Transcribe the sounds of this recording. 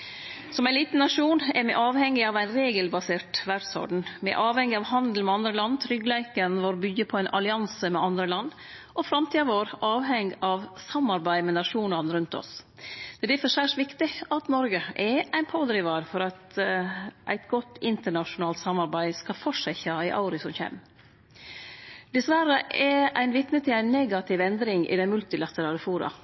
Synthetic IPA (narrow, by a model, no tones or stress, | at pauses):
sɔmæɪliːt̪n̩ːɑʂuːnɛɾmɛ̰ʔɑːʋhɛŋːɪɑʋæɪnɾeːɡəlbɑseːʈʋæɖsɔ̰ɖɳ̩mɛ̰ʔɑːʋhɛŋːɪɑʋhɑnd̪l̩mɛɑnd̪ɾəlɑnːt̪ʰɾʏɡlæɪkənʋoːɾbʏɡəpʰɔæɪnʔɑ̰lɪɑnsəmɛʔɑnd̪ɾəlɑnː | ʔɔfɾɑmt̪ʰiːɑʋoːɾʔɑːʋɦɛŋɡɑʋsɑmːɑɾbæɪmɛnɑʂuːnənɾʉnt̪ɔ̰s | d̪̥ɛːd̪æfəʂæʂʋɪkt̪ɪɑt̪nɔɾɡəɛʔæɪnpʰoːd̪ɾɪʋɑɾfɔɾɑt̪ | ʔæ̰ɪt̪ɡɔt̪ːɪnt̪əɳɑʂʊnɑːlt̪sɑmɑɾbæɪskɑfɔʂæɪçɑɪʔɑ̰ʊɾɪsɔmçḛːm | d̪̥ɛsʋæɾəʔɛʔæ̰ɪnʋɪt̪nət̪ʰɪlæɪnːeɡɑt̪ʰɪʋɛnd̪ɾɪŋʔɪ̰d̪ɛnmʉlt̪ɪlɑt̪əɾɑːləfuːɾɑ̰